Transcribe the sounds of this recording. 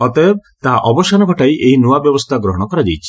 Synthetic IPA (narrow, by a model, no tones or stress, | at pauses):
ɔt̪ɔeb̚t̪aɦaʔɔbɔʃanɔɡʱɔʈajʔejnuabjɔbɔst̪ʰaɡɾɔɦɔɽ̃ɔkɔɾad͡ʒajt͡ʃʰi̥